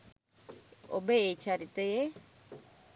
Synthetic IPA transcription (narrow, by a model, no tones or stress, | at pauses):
obeet͡ʃaɾit̪eje